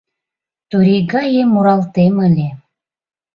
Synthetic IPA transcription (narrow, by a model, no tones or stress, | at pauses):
t̪uɾiɣɑjemuɾɑlt̪eməlʲe